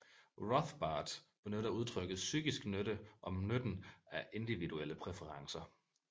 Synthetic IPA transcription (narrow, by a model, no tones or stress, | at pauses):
ʁɒθb̥ɑ̈ːd̥b̥enød̥æuð̞ˠt͡sʰʁœɡ̥ð̩ˠsyɡ̥isɡ̥nøɾəʔɒ̽mnød̥n̩æʔe̝nd̥iʋiduel̰əpʰʁɛfəʁɑ̈ŋsɐ